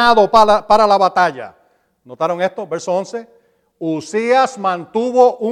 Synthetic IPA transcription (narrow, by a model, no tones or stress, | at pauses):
aðo̞paapaɾalaβat̪aʝa̰ | no̞t̪aɾo̞ŋe̞st̪o̞βe̞ɾsoonse̞ | usiasmãnt̪uβo̞ʔu